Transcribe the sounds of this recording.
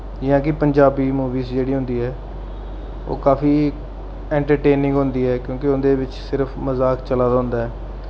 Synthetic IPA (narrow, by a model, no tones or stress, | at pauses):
d͡ʒɪɦãːkɪpəɲd͡ʒaːbiːmuːʋiːzd͡ʒeːɽiːɦʊ̃nd̪iːɦɛː | o̰ːkaːfiː | ɛ̃ːɳʈəɾʈeːnɪ̃ŋɡɦʊ̃nd̪iːɛːkjõːkɪʊnd̪eːʋɪt͡ʃsɪɾəpʰməzaːkt͡ʃəlaːd̪aːɦʊ̃nd̪aːɦɛː